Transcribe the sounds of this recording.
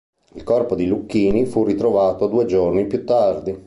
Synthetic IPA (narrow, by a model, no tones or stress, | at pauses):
ilkɔrpod̪ilukːiːnifurit̪ɾovaːt̪od̪uːed͡ʒornipjut̪ːard̪i